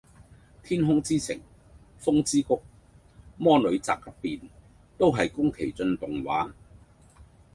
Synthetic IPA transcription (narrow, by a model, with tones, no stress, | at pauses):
t̪ʰiː˥nɦʊ˥ŋt͡siː˥sɪ̰˨˩ŋ | fʊ˥ŋt͡siː˥kʊ˥k̚ | mɔː˥nɵ˨˧ɥt͡sa̰ː˨k̚ːɐ˥p̚piː˨n | t̪o˥wɦɐ˨jkʊ˥ŋkʰe˨˩jt͡sɵ˧nt̪ʊ˨ŋwa̰ː˨˥